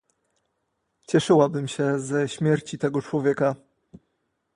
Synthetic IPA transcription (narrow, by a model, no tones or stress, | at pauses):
t͡ɕɛʂɘwabɘmɕɛzɛɕmʲjɛɾt͡ɕit̪ɛɡɔt͡ʂwɔvʲjɛka